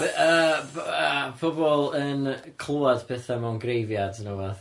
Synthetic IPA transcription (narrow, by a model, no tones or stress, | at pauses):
ə | fʊbɔlˠənkʰlˠuad̥pʰɛθamawnɡrejvjadnuvaθ